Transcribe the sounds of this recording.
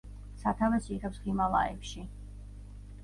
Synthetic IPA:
sat̪ʰavɛsiʁɛpsχimalˠa̰ɛ̰pʃi

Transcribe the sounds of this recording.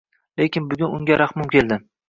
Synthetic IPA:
lekʲɪnbʊɡʲʊnʊŋɡʲaɾaχmʊmkʲʰelˠd̪ɪ

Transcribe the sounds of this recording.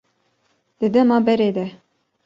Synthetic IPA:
d̪̥ɨd̪ɛmɑːbɛɾeːd̪ɛ

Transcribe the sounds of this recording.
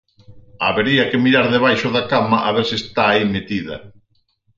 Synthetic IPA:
aβeɾiɐkemiɾaɾðeβ̞ajʃʊðakamɐʔaβeɾsiest̪aːimet̪iðɐ̰

